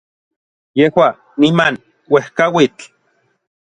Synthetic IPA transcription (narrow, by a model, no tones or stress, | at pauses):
jehwa | niman | wehkawit͡ɬ